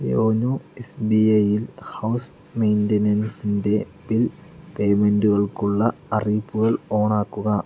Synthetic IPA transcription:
joːnoesbiɐjilhɐws | mejndɐnɐnsinde̞ | bilpe̞ːmenduɣɐɭkuɭːɐɐriːpːuɣɐɭo̞ːɳaːkːuɣɐ

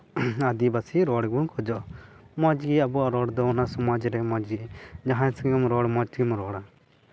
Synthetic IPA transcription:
ɐd̪ibasiɾɔɽɡuŋkʰɔd͡ʒɔ | mɔd͡ʒɡiɐbuaɾɔɽd̪ɔnasɔmad͡ʒɾɛmɔd͡ʒɡid͡ʒaɦansŋimɾɔɽmɔt͡ʃɡimɾɔːɽa

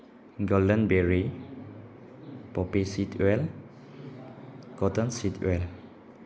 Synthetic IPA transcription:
ɡɔldə̃nbɛɹi | pɔpesitwɛl | kɔtə̃nsitʰwɛl

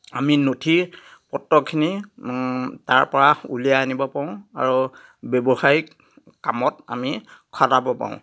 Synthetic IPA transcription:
aminotʰipɔtːɔkʰini | taɹpɔɹaulijaːnibɔpaʊ̃a̰ɹu | bɔbɔxaj | kamɔta̰mikʰɔdabɔpa̰ʊ̃

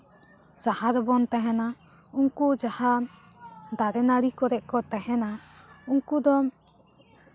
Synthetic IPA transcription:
sahaɾbɔnt̪aɦɛna | uŋkud͡ʒaha | d̪aɾɛnaɽikɔɾɛʔ̚kɔt̪aɦɛna | uŋkud̪ɔ

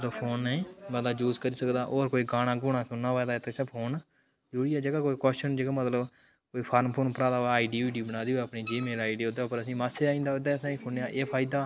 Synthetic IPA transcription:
əəpʰoːnːɛ̃ːbaːd̪aːd͡ʒuːzkəɾiːsəkd̪aːʔoːɾkoːiːɡaːɽ̃aːɡʊːɽ̃ãːsʊnːaːʋaːd̪aːet̪ʰeːsɛ̃pʰoːn | d͡ʒʊɽiːɛːd͡ʒəɡaːkoːiːkɛːsʃənd͡ʒəɡaːmət̪ləb | koːiːpʰaːɾmpʰoːnpəɾaːd̪aːʋaːaːiɖiːiːɖiːbənaːd̪iːoəpɳiːd͡ʒiːmeːlaːiɖiːoːd̪pəɾəsĩːmaːseːaːĩːnd̪aːd̪eːəsãːiːpʰʊnjaːʔeːpʰaːɪd̪aː

